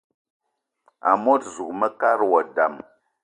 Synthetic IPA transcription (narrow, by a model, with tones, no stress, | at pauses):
a̰˨mo˦tzu˨kmə˦ka˦ɾwɔ˨da˨m